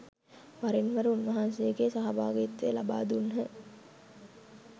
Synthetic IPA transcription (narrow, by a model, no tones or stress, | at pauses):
ʋaɾenʋəɾəunʋɐɦansejəɡeːsaɦaba̰ːɡet̪ːelaba̰ːd̪unɦə